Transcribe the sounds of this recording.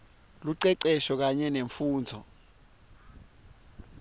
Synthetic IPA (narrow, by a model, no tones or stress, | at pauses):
luǀɛǀɛʃɔk̬aɲɛneɱfuːnd͡zʱɔ